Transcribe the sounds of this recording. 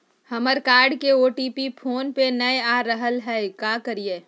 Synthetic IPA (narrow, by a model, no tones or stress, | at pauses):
həməɾkaːɾɖkeoːʈiːpipʰoːnpenɐjaːɾəɦəlɦɛekaːkəɾijeː